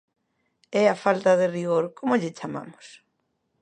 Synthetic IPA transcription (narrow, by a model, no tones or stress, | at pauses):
ɛafalt̪ɐðɪriɣoɾkomoʎɪt͡ʃama̰mʊs